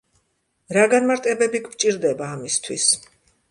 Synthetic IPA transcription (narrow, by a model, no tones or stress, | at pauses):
ɾaɡanmaɾt̪ʼɛbɛbikʰvt͡ʃʼiɾd̪ɛbaːmist̪ʰwḭs